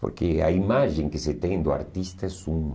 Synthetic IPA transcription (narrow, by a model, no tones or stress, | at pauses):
po̰ɾkɪa̰imaʒẽŋkɪsɪt̪ẽj̃d̪ʊa̰ɾt̪ist̪ɐɛsum